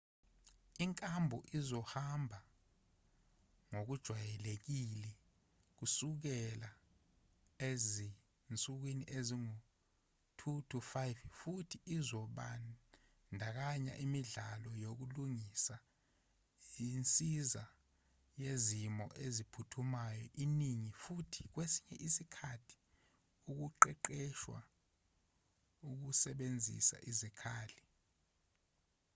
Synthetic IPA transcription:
iŋkʼambʱɔʔizɔhambʱa | ŋok̬ud̥ʒ̥ʱwajɛlek̬ilɛ | k̬usuk̬ɛla | ezi | nt͡sʼuk̬winiʔeziŋu | tʰutʰufajffutʰiʔːzɔɓa̰ | ndʱak̬aɲa̰ʔimiɮalɔjok̬uluŋisa | int͡sʼiza | jezimɔ̰ʔezipʰutʰumajɔʔiniŋifutʰi̥k̬wesi̥ɲɛ̰ʔisikʰatʰi̥ | uk̬uǃɛǃɛʃwa̰ | uk̬usɛɓend͡zʱḭsa̰ʔizikʰaːli

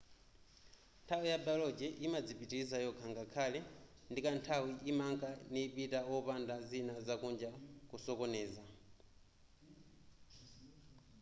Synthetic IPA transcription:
ntʰawijabalɔd͡ʒɛʔimad͡zipitiɾizajɔkʰaŋɡakʰalɛndikantʰawiʔimaŋkʼanipitaɔpandazinazakund͡ʒakusɔkɔnɛːza

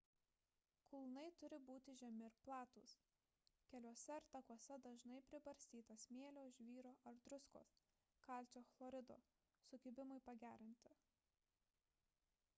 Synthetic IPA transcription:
kʊlˠnɐɪt̪ʊɾʲɪbuːt̪ʲɪʒʲɛmʲɪɪɾplˠɑːt̪ṵːs | kʲɛlʲuɔsʲɛɪɾt̪ɐkuɔsʲɛd̪ɐʒnɐɪpʲɾʲɪbɐɾʲsʲt̪ʲiːt̪ɐsmʲeːlʲoːʒʲʋʲiːɾoːʔɐɾd̪ɾʊsko̰ːs | kɑˑlʲt͡ʃʲoːflˠoːɾʲɪd̪o̰ː | sʊɡʲɪbʲɪmʊɪpɐɡʲæːɾʲɪnʲt̪ʲɪ

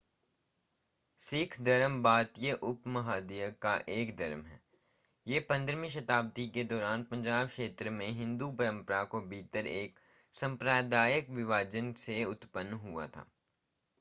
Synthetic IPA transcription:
sɪkʰd̪ɐɾəmbaːt̪jəʔʊpmɐɦaːd̪ijəkaʔeːkd̪ɐɾəmɦɛː | jeːpɐ̃nd̪ɾmĩʃɐt̪aːbt̪iked̪ɔːɾaːnpɐ̃ɲd͡ʒaːbkʃeːt̪ɾəmẽɦɪ̃nd̪upɐɾə̃mpəɾakobʱiːt̪əɾeːk | sɐ̃mpɾaːjd̪aːjəkʋɪʋaːd͡ʒənseʊt̪pənːɦua̰t̪ʰa̰ː

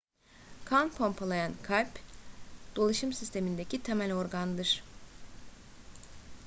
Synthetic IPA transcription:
kʰanpʰo̞mpʰalˠajankʰajp | d̪̥o̞lˠaʃɯmsist̪ʰe̞mind̪ecʰit̪ʰemælʲoɾɡand̪ɯɾ̥

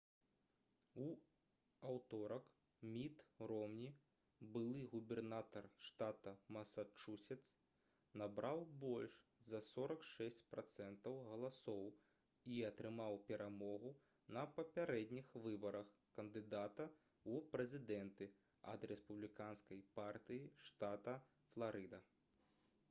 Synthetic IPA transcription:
u | awt̪ɔɾɐk | mʲit̪ɾɔmnʲi | bɨlˠɨɣubʲɛrnat̪ɐrʂt̪at̪ɐmɐsat͡ʂusʲɛt̪s | nabɾʔawbɔlʲʂzɐsɔɾɐkʂɛsʲt͡sʲpɾat̪sɛnt̪ɐwɣɐlˠasɔw | iɐt̪ɾɨmawpʲɛɾʔamɔɣu | nɐpɐpʲaɾɛd̪ʲnʲixvɨbɐɾɐx | kɐnd̪ɨd̪at̪ɐ | upɾɛzʲid̪ɛnt̪ɨ | ɐ̰d̪ɾɛspublʲikanskɐjpart̪ɨjiʂt̪at̪ɐ | flˠaɾɨd̪ɐ

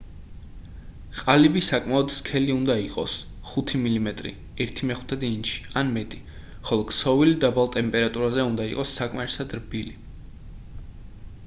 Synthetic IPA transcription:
qʼalibisakʼmaɔd̪skʰɛliund̪aiqʼɔ̰s | χut̪ʰimilimɛt̪ʼɾḭ | ɛɾt̪ʰimɛχu̥t̪ʰɛd̪inʃi̥anmɛt̪ʼi̥ | χɔlˠɔksɔvilid̪abalˠt̪ʼɛmpʼɛɾat̪ʼuɾazɛund̪aiqʼɔsːakʼmaɾɛsad̪ɾbili

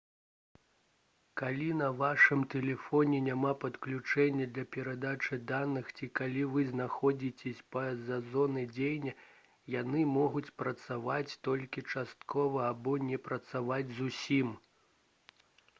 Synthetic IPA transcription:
kalʲinɐvaʂɨmt̪ɛlʲɛfɔnʲɛnʲamapɐt̪klʲut͡ʂɛnʲːɐd̪lʲɐpʲɛɾad̪at͡ʂɨd̪anɨxt͡sʲikalʲivɨznaxɔd͡zʲit͡sʲɛsʲpɐzɐzɔnɨd͡zʲejnʲɐ | janɨmɔɣut͡sʲpɾɐt̪savat͡sʲt̪ɔlʲkʲit͡ʂast̪kʰɔvɐːbɔnʲɛpɾɐt̪savad͡zʲzusʲim

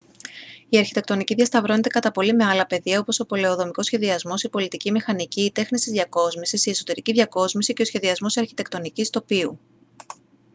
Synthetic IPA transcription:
iɐɾçit̪e̞k̚t̪o̞niciðʝɐst̪ɐvɾone̞t̪e̞kɐt̪ɐpo̞lime̞ɐlɐpe̞ðiɐo̞poso̞po̞le̞oðo̞miko̞sçe̞ðiɐzmo̞sipo̞lit̪icimixɐniciːt̪e̞xnist̪izðʝɐko̞zmisisieso̞t̪e̞ɾiciðʝɐko̞zmisice̞osçe̞ðiɐzmo̞sɐɾçi̥t̪e̞kt̪o̞nicist̪o̞piṵ

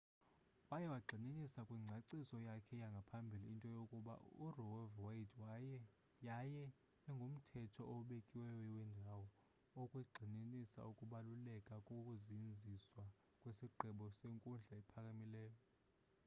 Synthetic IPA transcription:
wajɛwaɡ͡ǀʱininisakʼwiŋ͡ǀʱaǀisɔjakʰɛjaŋɡʱapʰambʱiliːntʼɔjokʼuɓa̰urɔwɛvwajitʰw | jajɛː | ŋɡʱom̩tʰɛtʰɔʔoɓekʼiwɛjɔwɛndʱawɔ | okʼwiɡ͡ǃʱininisa̰ukʼuɓalulɛkʼakʼokʼuzind͡zʱiswa | kʼwesiɡ͡ǃʱɛɓɔseŋkʼund͡ɮʱaɛpʰakʼamilɛːjɔ

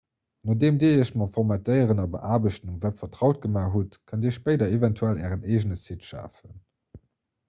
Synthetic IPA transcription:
noːdeːmdeːəʃmɑfɔʁmatəɪəʁənɑbə̰ʔaːbəɕtnumvæːpfɐtʁɑʊt̚ɡəmaːɦutkʰəndeːʃpəɪdɐevɛntʰuælæːʁəneːʒənəsitʃa̰ːfən

